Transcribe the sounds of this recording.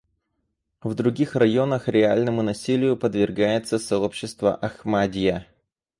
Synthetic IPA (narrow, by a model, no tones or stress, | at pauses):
vd̪ɾʊɡʲixrɐjo̞nəxɾʲɪalʲnəmʊnɐsʲilʲɪjʊpəd̪vʲɪrɡajɪt̪səsɐo̞pɕːɪst̪və̰ʔɐxmadʲɪjə